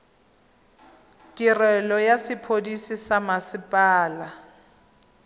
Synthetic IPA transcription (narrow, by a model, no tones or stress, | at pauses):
tʼirɛlɔjasɪpʰodisisamasɪpʼaːla